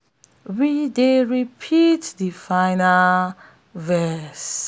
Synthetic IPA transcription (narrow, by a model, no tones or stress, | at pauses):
wideɹipʰitdifãɪnal | vɛs